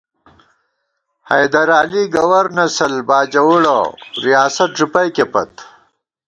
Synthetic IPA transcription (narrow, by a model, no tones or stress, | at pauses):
hɐjd̪ɐɾaːliɡɐwɐɾnɐsɐlbaːd͡ʑɐwuɽo̰ɾijaːsɐt̪̚ʐupɐjkepɐt̪